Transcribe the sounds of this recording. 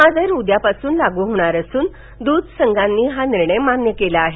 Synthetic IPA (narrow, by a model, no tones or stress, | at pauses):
mad͡zəjɾud̪japasuːnlaɡuɦoɽ̃aɾəsuːn | d̪ud̪ʱsəŋɡʱanːiːɦaniɾɳəjmanjəkelaːɦe